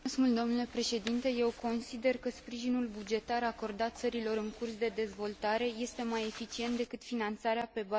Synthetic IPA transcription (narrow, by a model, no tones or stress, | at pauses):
smuld̪o̞mnule̞pɾe̞ʃe̞d̪int̪e̞je̞wko̞nsid̪e̞rkəspɾiʒinulbud͡ʒe̞t̪aɾako̞rd̪at̪̚t̪səɾilo̞ɾɨŋkursd̪e̞d̪e̞zvo̞lt̪aɾe̞je̞st̪e̞maje̞fit͡ʃie̞nt̪̚d̪e̞kɨt̪finant̪saɾeape̞ba